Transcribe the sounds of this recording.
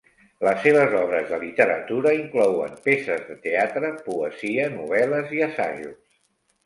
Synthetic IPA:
ləsːeβ̞əzɔβ̞ɾəzðəlit̪əɾə̰t̪uɾəiŋklɔwə̰mpesəzðət̪eat̪ɾəpuəziənuβɛləziəsa̰ʒus

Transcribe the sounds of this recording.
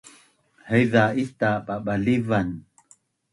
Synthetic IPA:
hajðaitaɓaɓalivan

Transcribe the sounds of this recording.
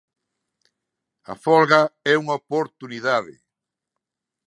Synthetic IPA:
ɐ̰fɔlɣɐɛuŋaopoɾt̪uniðaðɪ̰

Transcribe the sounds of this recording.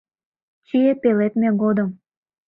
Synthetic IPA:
t͡ɕiep̪elet̪meɡod̪əm

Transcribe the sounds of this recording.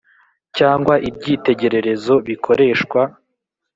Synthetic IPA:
caːŋɡwaʔib̚ɟiːte̞ɟe̞ɾe̞ɾe̞zo̞βikʰo̞ɾe̞ːʃkwa

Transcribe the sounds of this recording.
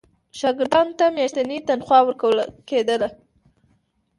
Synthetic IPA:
ʃɑɡɪɾd̪ɑnt̪ameɾt̪anit̪anxwɑwəɾkawəlked̪əla

